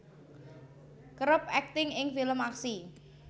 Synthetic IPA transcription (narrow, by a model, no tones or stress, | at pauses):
kɾəpɛk̚t̪ɪŋɪŋfiləmaksi